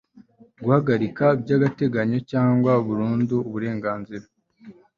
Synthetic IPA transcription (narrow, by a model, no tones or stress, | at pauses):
ɡuhaɡaɾikabjɟaːɡate̞ɡaɲo̞caːŋɡwauβuɾuːnduːβuɾe̞ːŋɡaːnziɾa